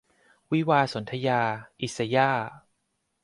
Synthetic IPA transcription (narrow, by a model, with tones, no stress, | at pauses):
wi˦˥waː˧so˩˦nt̪ʰa˧jaː˧ʔi˨˩sa˧jaː˥˩